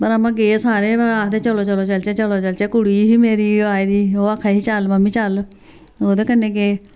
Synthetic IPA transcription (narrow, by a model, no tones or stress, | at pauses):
pəɾamãːɡeːsaːɾeːaːd̪eːt͡ʃəloːt͡ʃəloːt͡ʃəlt͡ʃɛːt͡ʃəloːt͡ʃəlt͡ʃɛːkʊɽiːɦiːmeːɾiːaːiːd̪iːoːakʰːaːɦiːt͡ʃəlməmːĩːt͡ʃəl | oːd̪eːkənːeːɡeː